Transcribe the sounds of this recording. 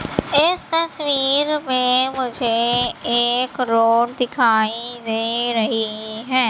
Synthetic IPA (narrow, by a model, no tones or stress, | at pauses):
ɪst̪əsʋiːɾmẽmʊd͡ʒʱeːeːkɾoːɽd̪ɪkʰaːid̪eːɾəɦiɦɛː